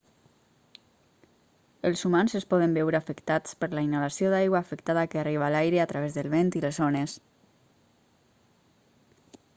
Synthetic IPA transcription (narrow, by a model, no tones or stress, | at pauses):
əlˠzumanzəspɔð̞əmbɛwɾəafəkt̪at͡spəɾlainalasioðajɣwaːfəkt̪aðəkəariβ̞aːlajɾəat̪ɾaβezðəlˠβent̪iləzonəs